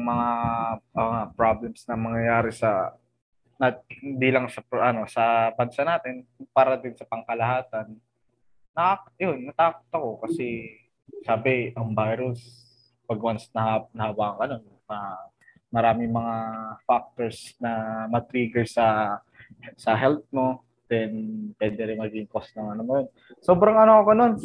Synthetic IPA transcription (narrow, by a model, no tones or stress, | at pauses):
ŋmɐŋaʔoŋapɾablɛmsnɐmɐŋjɐjaːɾɪsɐ | nɐhɪnd̪ilɐŋsɐpʔɐno̞sɐbɐnsanaːt̪ɪnpaːɾɐd̪ɪnsɐpɐŋkɐlɐhaːt̪ɐnː | ɐʔajonːɐt̪aːko̥t̪ɐko̞kɐsɛ | saːbɪʔɐŋbajɾʊs | pɐɡwɐnsnɐhanɐhawaːŋɐnon | mɐ | mɐɾaːmɪŋmɐŋafak̚t̪o̞ɹsnɐmɐt̪ɾiːɡɛɹsɐ | sɐɦɛlt̪̚mo̞ | d̪̥ɛnpwɛnd̪ɛɾɪnmɐɡiɪŋkost̪nɐŋʔɐnomɐjon | so̞ːbɾɐŋɐnoɐko̞no̞n